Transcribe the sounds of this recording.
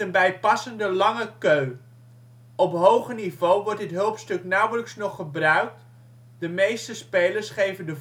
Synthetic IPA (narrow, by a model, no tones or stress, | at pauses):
ənbɛjpɑsəndəlɑŋəkøɥ | ɔpɦowχənivowʋɔɹdɪtɦɵlˠpstɵknɑwələksnɔχːəbrœɥk̚t | dəmejstəspejləɹsχejvəndə